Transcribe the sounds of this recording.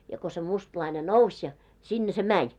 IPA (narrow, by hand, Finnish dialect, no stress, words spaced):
jɑ ko se mustlɑine nousʲ jɑ sinːe se mænʲ